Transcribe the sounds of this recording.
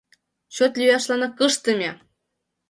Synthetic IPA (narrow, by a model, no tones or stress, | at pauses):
ɕot̪lʲyjɑʃlˠɑnɑkɤʂt̪ɤ̆mʲe